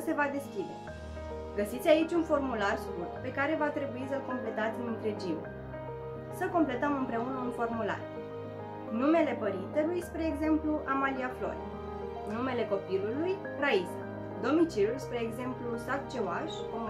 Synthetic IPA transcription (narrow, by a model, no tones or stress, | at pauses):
se̞vad̪e̞skʲid̪e̞̰ | ɡəsit̪sʲait͡ʃʲunfo̞rmularskurt̪pe̞kaɾe̞vat̪ɾe̞buisəlko̞mple̞t̪at̪sʲnɨnt̪ɾe̞d͡ʒim | səko̞mple̞t̪əmɨmpɾe̞unəunfo̞rmula̰r | nume̞le̞pəɾint̪e̞lujspɾeːɡze̞mpluʔamaliaflo̞̰ɾe | nume̞le̞ko̞piluluj | raisa | d̪o̞mit͡ʃiulspɾeːɡze̞mplusat̪̚t͡ʃewaʃ | om